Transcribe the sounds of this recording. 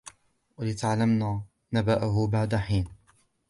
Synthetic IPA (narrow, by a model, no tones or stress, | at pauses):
walɪt̪aʕlamnaː | nabaʔʊɦʊbaʕd̪aħiːn